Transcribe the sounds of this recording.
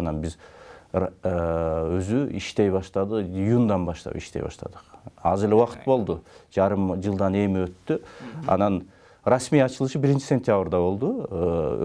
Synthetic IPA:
ɑnɑnbiz | øzyiʃt̪e̞jβɑʃt̪ɑd̪ɨqijund̪ɑnbɑʃt̪ɑ̰pḭʃt̪e̞jbɑ̰ʃt̪ɑ̰d̪ə̥qɑ̰zeleuwɑqɯ̥t̪̚bo̞lˠd̪ud͡ʒɑɾɯmd͡ʒɯlˠd̪ɑne̞miøt̪ːyɑ̰nɑn | rasmijɑt͡ʃɯlˠɯʃɯbiɾint͡ʃi̥sʲe̞nt̪ʲjabrd̪ɑβo̞lˠd̪ṵ

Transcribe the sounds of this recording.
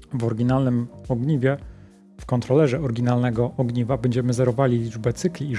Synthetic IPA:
vɔɾɡʲinalnɘmɔɡɲivʲjɛ | fkɔnt̪ɾɔlɛʐɛɔɾɡʲinalnɛɡɔʔɔɡɲivabɛɲd͡ʑɛmɘzɛɾɔvalʲilʲid͡ʐbɛt̪sɘklʲiː

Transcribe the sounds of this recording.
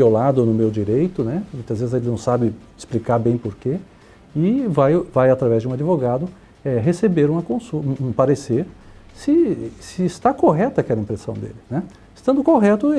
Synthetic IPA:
piolad̪ʊnʊmewd͡ʒiɾejt̪ʊnɛmõj̃t̪ɐzvezɪzelɪnɐ̃w̃sabɪɪsplikaɾbẽj̃poɾke | ɪvajvajat̪ɾavɛzd͡ʒɪũad͡ʒivoɡad̪ʊ | ɛɦesebeɾũmɐkõsuũũpaɾeseɾsɪsɪːst̪akoɦɛt̪ɐkɛlɐĩpɾesɐ̃w̃d̪ḛlɪnɛ | ɪst̪ɐ̃nd̪ʊkoɦɛt̪ʊ

